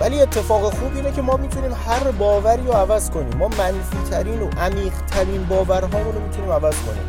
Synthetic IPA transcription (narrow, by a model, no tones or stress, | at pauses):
væliːe̞t̪ʰːe̞fɒːɣexuːbiːnecʰe̞mɒːmiːt̪ʰuniːmhæɾbɒːvæɾiːɾoævæzkʰo̞nḭːmːɒːmænfiːt̪ʰæɾiːnoʔæmiːɢt̪ʰæɾiːnbɒːvæɾɦɒːɾoɾomiːt̪ʰuniːmævæzkʰo̞̰nḭm